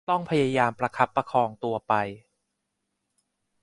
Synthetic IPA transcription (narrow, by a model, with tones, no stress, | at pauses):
t̪ɔ˥˩ŋpʰa˧ja˧jaː˧mpɾa˧kʰa˦˥pːa˧kʰɔː˧ŋt̪u˧ɐpa˧j